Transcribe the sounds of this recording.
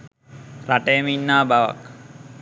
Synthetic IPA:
raʈejminːaːbaʋa̰k

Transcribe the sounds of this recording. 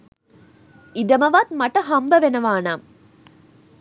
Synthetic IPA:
idɐmɐʋaːt̪̚mɐʈɐɦɐmbɐʋenɐʋaːnaːm

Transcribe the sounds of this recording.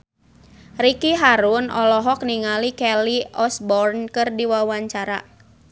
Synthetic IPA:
rikiɦaɾunʔɔ̰lɔɦɔk̚niŋalikɛliɔsbɔrnkɨrdiwawaɲt͡ʃaɾa̰

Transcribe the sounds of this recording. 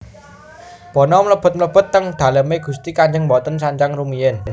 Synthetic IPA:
b̥ɔ̤nɔmləb̥ə̤t̪̚mələb̥ə̤t̪ːəŋd̪̥ä̤ləmeɡ̥ṳst̪ikaɲd͡ʒəŋbɔt̪ənsaɲt͡ʃaŋrumiən

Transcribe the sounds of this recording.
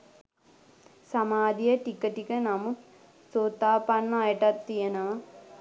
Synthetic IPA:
sɐmaːd̪ijɐʈikːɐʈːikɐnɐmuk | soːt̪ːaːpɐnːaːjɐʈɐt̪ːijɐnɐː

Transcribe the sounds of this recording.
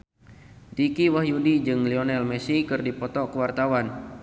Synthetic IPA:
dikiwahjudid͡ʒɨŋliɔnɛlmɛsikɨrdipɔt̪ɔkəwart̪awan

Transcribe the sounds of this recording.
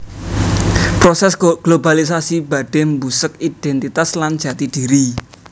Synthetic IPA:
pɾosɛsɡ̥lobalisasib̥a̤ɖ̥ɛ̤mbusəkid̥ɛnt̪it̪aslan̥ʒ̥ä̤t̪id̥iɾi

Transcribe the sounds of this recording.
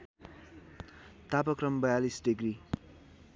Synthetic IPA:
t̪apʌkɾʌmbʌjalisɖeɡɾi

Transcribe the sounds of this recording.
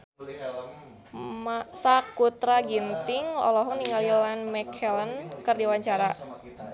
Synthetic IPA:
masakut̪ɾaɡint̪ɪŋlɔ̰lɔɦɔŋniŋɡalilanmɛkʰɛlənkɨrdiwaɲt͡ʃaɾa

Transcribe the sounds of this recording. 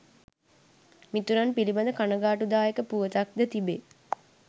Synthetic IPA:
mit̪uɾanpiliband̪əkanəɡaːʈud̪aːjekəpuʋət̪ak̚d̪ət̪ibe

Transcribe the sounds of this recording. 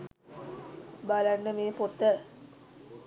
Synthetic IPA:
balanːəmeːpot̪ːə

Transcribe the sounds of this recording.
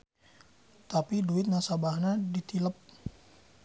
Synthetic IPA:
t̪apiduɪt̪̚nasabahnadit̪iləp̚

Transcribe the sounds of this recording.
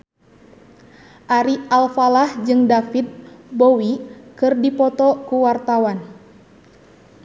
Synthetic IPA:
ʔaɾialfalahd͡ʒɨŋdafid̪̚bowikɨrdipɔt̪ɔkuwart̪awan

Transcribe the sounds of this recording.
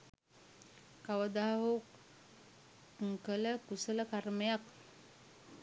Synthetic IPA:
kaʋəd̪aɦɦo | ŋkələkusələkaɾməjak

